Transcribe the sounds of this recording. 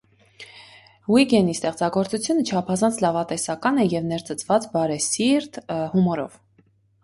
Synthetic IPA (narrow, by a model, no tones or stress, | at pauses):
hwiɡɛnist̪ɛχt͡sɑɡɔɾt͡sut͡sʰjunət͡ʃʰɑpʰɑzɑnt͡sʰlɑvɑt̪ɛsɑkɑnɛjɛvnɛɾt͡sət͡svɑt͡sbɑɾɛsiɾt̪humɔɾɔ̰v̥